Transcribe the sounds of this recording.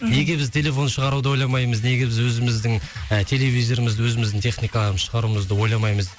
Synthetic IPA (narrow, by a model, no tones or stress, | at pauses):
ne̞ɡʲe̞bɪzt̪ʰe̞lʲe̞fo̞nʃəʁɑɾud̪əojlˠɑmɑjməzne̞ɡʲe̞bɪzwɵzɪmɪzd̪ɪŋət̪ʰe̞le̞vʲijzo̞ɾɪmɪzd̪ɪwɵzɪmɪzd̪ɪŋt̪ʰe̞χnijkɑlˠɑɾənʃəʁɑɾuməzd̪əwo̞jlˠɑmɑjməz